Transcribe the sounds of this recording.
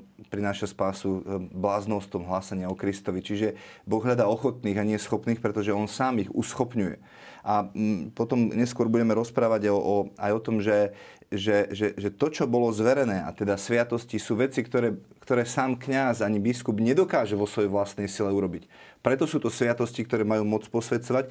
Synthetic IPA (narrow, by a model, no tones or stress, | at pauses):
pɾinaːʃaspaːsublaːznɔst̪ɔmɦlaːsaɲɪaɔkɾist̪ɔʋit͡ʃiʒɛbɔɣɦʎad̪aːɔxɔt̪niːɣaɲɪɛjɛsxɔpniːxpɾɛt̪ɔʒɛɔnsaːmiɣṵsxɔpɲujɛ̰ | ʔapɔt̪ɔmɲɛskʊɔɾbuɟɛmɛɾɔspɾaːʋaɟɔajɔt̪ɔmʒɛ | ʒɛʒɛʒɛt̪ɔt͡ʃɔbɔlɔzʋɛɾɛnɛːa̰t̪ɛd̪asʋɪat̪ɔscisuːʋɛt͡sikt̪ɔɾɛː | kt̪ɔɾɛːsaːmkɲazaɲibiskubɲɛd̪ɔkaːʒɛʋɔsʋɔjɛʋlast̪nɛjsilɛuɾɔbicpɾɛt̪ɔsuːt̪ɔsʋɪat̪ɔscikt̪ɔɾɛːmajuːmɔt͡spɔsʋɛtt͡sɔʋac